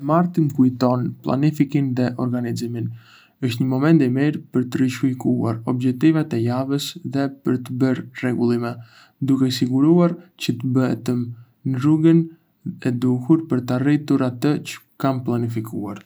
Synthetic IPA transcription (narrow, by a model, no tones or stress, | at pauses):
maɾt̪əmkujt̪ɔnplˠa̰nifikinðɛʔɔɾɡanizimin | əʃt̪ɲəmɔmɛnt̪imiɾpəɾt̪əɾiʃfikua̰ɾɔbd͡ʒɛk̚t̪ivɛt̪ɛjavəsðɛpəɾt̪əbəɾrɛɡulˠimɛ | d̪ukɛsiɡuɾuaɾcət̪əbəɛ̰t̪əm | nɾuɡən | ɛd̪uhuɾpəɾt̪arit̪uɾat̪ət͡ɕə̥ | kamplˠanifikʰṵa̰ɾ